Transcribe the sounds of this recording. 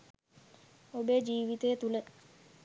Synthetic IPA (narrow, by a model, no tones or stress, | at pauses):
obeːd͡ʒiːʋit̪əjət̪ulə